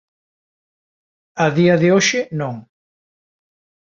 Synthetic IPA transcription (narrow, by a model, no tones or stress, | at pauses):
aðiɐðɪoʃɪnõŋ